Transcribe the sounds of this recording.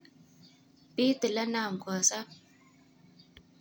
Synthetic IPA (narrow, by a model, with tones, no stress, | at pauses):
pi˦tɨ˨la˦na˦˨ŋ̩˨kɔ˨sa˦